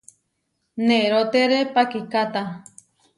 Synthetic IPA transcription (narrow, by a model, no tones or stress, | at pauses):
neɾot̪eɾepakikat̪a